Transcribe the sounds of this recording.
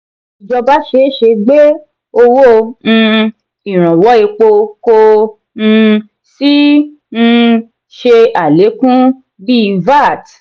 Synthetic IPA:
i˨d͡ʒɔ˧ba˦ʃe˧˦ʃe˧ɡ͡be˦ | o˧wo˦ñ̩˧ | i˨ɾ̃ã˨wɔ˨˦i˧k͡po˧ko˧ | ñ̩˧ | si˦ | ñ̩˧ | ʃe˧a˨le˨˦kũ˦ | bi˦˧va˦˨t

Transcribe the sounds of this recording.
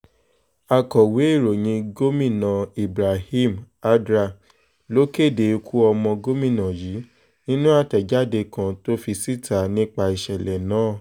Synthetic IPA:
a˧˨kɔ˨we˨˦i˦˨ɾo˨ɲĩ˧ɡo˦mĩ˦˨nã˨i˨bɾa˨hi˦m | a˦dɾa˧˨ | lo˦ke˦˨de˨˧kʰu˦ɔ˧mɔ̃˧ɡo˦mĩ˦˨nã˨jiː˨˦ | nĩ˦nũ˦a˦˨tɛ˨d͡ʒa˦de˧kã˧to˦fi˧si˦ta˨nĩ˦k͡pa˧i˨ʃɛ˨lɛ˨nãː˨˦˨

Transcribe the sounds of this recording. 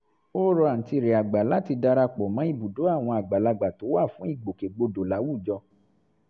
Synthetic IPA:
o˦ɾɔ˧a˨n̩˨ti˧˨ɾe˨a˨ɡ͡ba˨la˨˦ti˧da˧ɾa˧k͡pɔ˨mã˨˦i˦˨bu˨do˨˦a˦˨w̃ɔ̃˧a˨ɡ͡ba˨la˧ɡ͡ba˨to˨˦wa˦˨fũ˨˦i˦˨ɡ͡bo˨ke˨ɡ͡bo˧do˨la˨˦wu˦˨d͡ʒɔ˧

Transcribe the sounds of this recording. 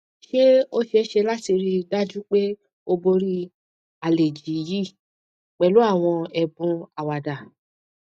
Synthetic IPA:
ʃe˦o˦ʃe˧˦ʃe˧la˦ti˧ɾi˧da˦d͡ʒu˦k͡pe˦ | o˧bo˧ɾi˦ | a˨le˨d͡ʒi˨ji˦˨ | k͡pɛ˨lu˨˦a˦˨w̃ɔ̃˧ɛ˧bũ˧a˨wa˨da˨

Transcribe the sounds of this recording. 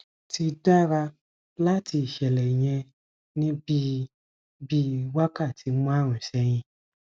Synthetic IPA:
ti˧da˦ɾa˧ | la˦ti˧i˨ʃɛ˨lɛ˨i˨j̃ɛ̃˧ | nĩ˦bi˦ | bi˦wa˦ka˦˨tʰi˨˦mɔ̃˦a˦˨ɾ̃ũ˨ʃɛ˧˦j̃ĩ˧

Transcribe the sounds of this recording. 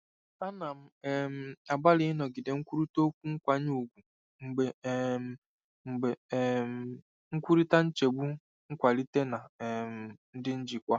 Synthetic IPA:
ta˦na˨m̩˦m̩˦a˨ɡ͡ba˦lɪ˦nɔ˨ɡɪ˨de˨ŋ̩˦kʷu˦ɾu˦to˦kʷu˦ŋ̩˦kʷa˦ɲ˦u˨ɡʷu˨ | ŋ͡m̩˨ɡ͡be˨˦ | ŋ͡m̩˨ɡ͡be˨m˨ | ŋ̩˦kʷu˦ɾi˦ta˦n̩˦t͡ʃe˨ɡ͡bu˦ | ŋ̩˦kʷa˨li˦te˦na˨m˨n̩˦dɪ˦n̩˦d͡ʒi˨kʷa˦

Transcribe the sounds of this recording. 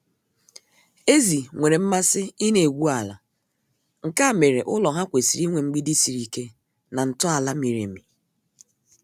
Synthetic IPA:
e˦zi˨ŋʷe˨ɾe˨m̩˦ma˦sɪ˦ɪ˦ne˨ɡʷu˦a˨la˨ | ŋ̩˨ka˦˨me˨ɾe˨ʔʊ˦lɔ˨ɦa˦kʷe˨si˨ɾi˦ŋʷe˨ŋ͡m̩˦ɡ͡bi˦di˦si˨ɾi˨ke˦ | na˨n̩˨tʊ˦a˨la˦mi˨ɾḛ˨mi˨

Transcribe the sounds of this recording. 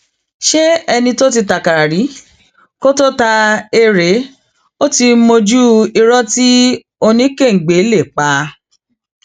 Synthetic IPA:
ʃe˦ɛ˧nĩ˧to˦t̬i˧ta˨ka˨ɾa˨ɾi˨˦ | ko˦to˦ta˧e˧ɾe˨˦ | o˦ti˧mo˧d͡ʒu˦i˧ɾɔ˦ti˦ | o˧nĩ˦ke˦˨ŋ̩˨ɡ͡be˨˦le˦˨k͡pa˧

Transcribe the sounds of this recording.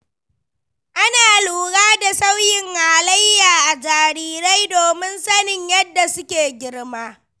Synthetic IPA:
ʔa˦naː˨luː˨ɽaː˦da˨sa˦wjɪ˨ŋhaː˨la˦jːaː˨ʔa˨d͡ʒaː˨ɾiː˦ɾa˦jdoː˨mɪ˦nsɐ˦nɪ˨ɲjɐ˦dːa˨sʊ˦kʲeː˨ɡʲɪ˦ɽmaː˦

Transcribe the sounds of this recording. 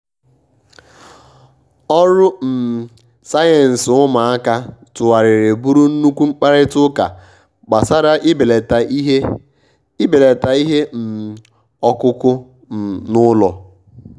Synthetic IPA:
ɔ˦ɾʊ˦m̩˨ | sa˦je˨n̩˨sʊ˦ma˨a˦ka˦tʊ˨wa˨ɾɪ˨ɾe˨bu˦ɾu˦n̩˦nu˦kʷu˦ŋ͡m̩˦k͡pa˦ɾɪ˦tʊ˦ka̰˨ | ɡ͡ba˨sa˦ɾa˦ʔi˦be˨e˨t | be˨le˨ta˨i˦ɦe˦m̩˨ | ɔ˦kʊ˦kʊ˦˨ | nʊ˦lɔ˨

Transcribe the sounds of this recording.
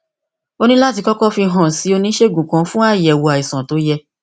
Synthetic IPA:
o˧nĩ˦la˦ti˧kɔ˦kɔ˦fi˧ɦã˨si˨˦o˧nĩ˦ʃe˦˨ɡũ˨kã˨˦fũ˦a˦˨jɛ˨wo˧a˨i˨sã˨to˨˦jɛ˧

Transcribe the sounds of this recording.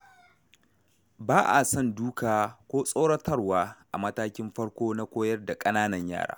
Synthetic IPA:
baː˦ʔa˨sɔ˦˨nduː˦kaː˨kʷoː˦sʼo˦ɽɐ˦tʰɐ˦rwaː˦ʔa̰˨mɐ˦taː˦kʲɪ˦mɸɐ˦ɽkʷoː˦na˦kʷoː˦jɐ˦rda˨kʼɐ˦naː˦nɐ˨ɲja̰ː˦˨ɽa̰ː˦

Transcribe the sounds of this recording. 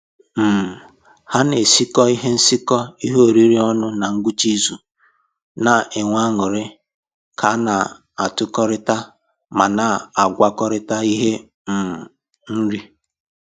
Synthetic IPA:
m̩˨ | ha˦ne˨si˦kɔ˦i˦ɦe˦n̩˦si˦kɔ˦i˦ɦo˨ɾi˦ɾi˦ɔ˦nʊ˦na˨ŋ̩˦ɡu˦t͡ʃi˦zu˨ | na˨e˨ŋʷa˦ŋʊ˨ɾɪ˦ | kʰa˨˦na˨ | a˨tʊ˦kɔ˦ɾɪ˦ta˦ | ma˨na˨a˨ɡʷa˦kɔ˦ɾɪ˦ta˦i˦ɦe˦ | m̩˨ | n̩˦ɾi˦

